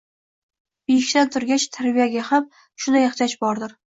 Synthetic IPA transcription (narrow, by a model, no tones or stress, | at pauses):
b̥ejɪʃʲt̪ant̪ʰʊɾɡʲat͡ʃt̪ʰaɾbijaɡʲaham | ʃʊnd̪ajɑχʃat͡ʃbɒɾd̪ɪɾ